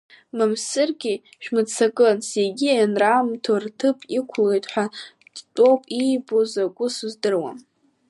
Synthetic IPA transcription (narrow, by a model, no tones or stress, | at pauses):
mɨmsɨrɡʲi | ʃᶣmɨt͡sʰakʼɨseɡʲianramtʰortʰɨpʰʼikʷʰlejtʼħʷᶣa | dtʼowpʼijbozakʷʼʊsuzdɨrwa̰m